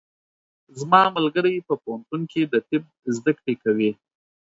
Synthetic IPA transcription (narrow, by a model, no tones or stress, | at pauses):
zmɑmalɡəɾəjpəpoɦant̪unked̪ət̪ɪb̚zd̪əkɽekawi